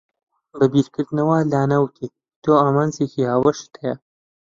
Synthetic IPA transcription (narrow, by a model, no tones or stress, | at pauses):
bɐbiːɾkɨɾd̪nɐwaːlaːnawt̪ʰi | t̪oːaːmaːnzeːkihaːwɐʃt̪ʰɐjɐ